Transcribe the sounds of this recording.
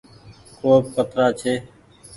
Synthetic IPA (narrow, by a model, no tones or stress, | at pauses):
koːp̚kət̪ɾaːt͡ʃʰeː